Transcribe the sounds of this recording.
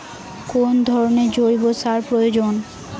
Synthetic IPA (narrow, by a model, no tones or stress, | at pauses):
kond̪ʱɔɾoned͡ʑoɾibosaɾpɾojod͡ʑon